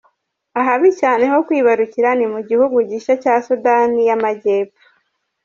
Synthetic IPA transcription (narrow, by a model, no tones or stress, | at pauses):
aɦaβicaːne̞ɦo̞kwiːβaɾuciɾanimuɟihuɡuɟiʃacaːsudanijamaɟeːpḁ